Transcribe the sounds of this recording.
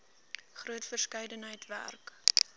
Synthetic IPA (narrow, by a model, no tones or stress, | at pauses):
χruətfərskɛjdənɦəjtvæ̰rk